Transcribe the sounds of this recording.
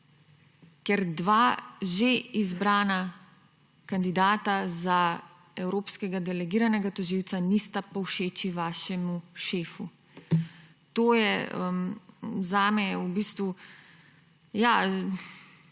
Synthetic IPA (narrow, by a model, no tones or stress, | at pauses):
kɛɾd̪ʋaːʒeizbɾaːna | kand̪id̪aːt̪aza | ɛwɾoːpskɛɡad̪ɛlɛɡiːɾanɛɡat̪ɔʒiːwt̪sanist̪apɔwʃeːt͡ʃiʋaːʃɛmuʃeːfu | t̪oːjɛəmzaːmɛubiːst̪ʋu | ja